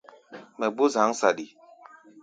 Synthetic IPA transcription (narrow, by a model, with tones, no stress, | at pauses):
mɛ˨ɡ͡bu˦za˨˦ŋsa˨di˨